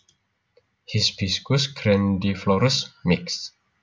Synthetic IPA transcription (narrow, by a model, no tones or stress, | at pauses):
hisbiskuskʰɾɛ̃ndiflɔɾəsmɪks